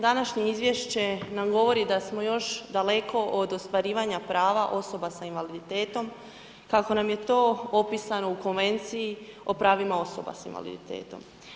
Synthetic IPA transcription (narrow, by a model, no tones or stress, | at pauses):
d̪anaʃɲe̞izʋje̞ʃt͡ɕe̞namɡo̞ʋo̞ɾid̪asmo̞jo̞ʃd̪ale̞ko̞ʔod̪o̞st̪ʋaɾiːʋaɲapɾaːʋaʔo̞so̞basainʋalid̪it̪e̞ːt̪o̞m | kako̞namje̞t̪o̞ːopisano̞uko̞nʋe̞nt̪sijio̞pɾaːʋimao̞so̞ba̰sḭnʋa̰lḭd̪ḭt̪ḛːt̪o̞̰m